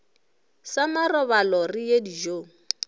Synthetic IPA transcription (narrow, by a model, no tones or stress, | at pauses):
samarɔβalɔrijedid͡ʒoːŋ̩